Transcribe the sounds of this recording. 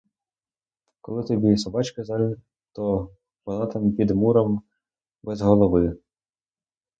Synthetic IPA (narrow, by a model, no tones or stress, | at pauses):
kɔlˠɪt̪ɔbʲisɔbɑt͡ʃkɪzɑlʲ | t̪ɔ | bɔnˠɑt̪ɐmpʲid̪muɾɐm | bɛzɦɔlˠɔʋɪ